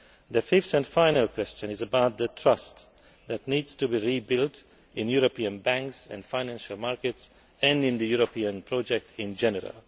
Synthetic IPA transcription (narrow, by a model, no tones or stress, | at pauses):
ðəfɪftɨ̃nfãɪnəlˠkʰwɛst͡ʃə̃nɨzəbaʊt̪̚ðətʰɹ̥ʌst | ðætnidz̥tubiɹibɪlt | ɪ̃njuɾopiə̃nbæ̃ŋksɨ̰̃nfãɪnæ̃nʃəlˠmaɹkɨts | ɨ̃nɪ̃nðɨjuɾopʰiə̃npʰɹod͡ʒɛk̚tʰɪ̃nd͡ʒɛnəɾə̰lˠ